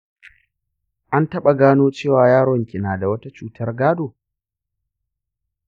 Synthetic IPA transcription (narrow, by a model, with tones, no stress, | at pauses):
ʔa˦ntɐ˦ɓa˨ɡaː˦noː˦t͡ʃeː˦˨waː˨jaː˦ɽɔ˨ŋkʲɪ˨naː˨da˨wɐ˦ta˦t͡ʃuː˦tʰɐ˦rɡaː˦doː˨